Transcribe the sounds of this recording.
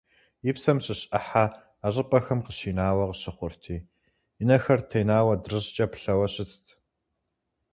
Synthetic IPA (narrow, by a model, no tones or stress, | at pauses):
jɪpsɐmɕɪɕʼɐħaː | ɕʼɪpʼɐxɐmqəɕiːnaːwɐqəɕɪχʷʊrtʰiː | ɪnɐxɐrtʰejnaːwɐdrɨʑt͡ʃʼɐpʰɬɐwɐɕʼɪt͡stʰ